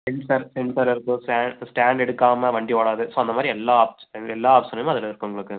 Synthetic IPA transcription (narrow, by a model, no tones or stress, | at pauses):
ɛɳɖsɐɾsɛɳsɐlɪɾɯkːɯ̃sʈaːɖsʈaːɳɖɛɽɯkːaːmɐʋɐɳɖioːɽaːðɯsoːɐndɐmaːd̪ɾiɛlːaːp̚sɛlːaːpsɐnɐmõɐðɪlɐɪɾɯkːɯ̃ʊŋɡɐɭɯkːɯ